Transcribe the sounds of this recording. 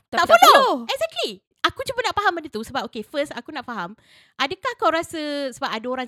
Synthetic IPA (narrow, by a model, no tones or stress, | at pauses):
t̪aʔfoloɛkzɛk̚t̪li | akut͡ʃubəʔnaʔpaɦamadət̪usəbap̚okefəstakunaʔfaɦam | ʔadəkahkawɾasəsəbap̚adaoɾaŋ